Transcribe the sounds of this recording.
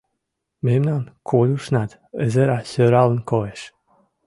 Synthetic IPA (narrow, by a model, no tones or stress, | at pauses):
memnankʰolʲuʃnat̪ | ə̰zəɾasøɾalənkoeʃ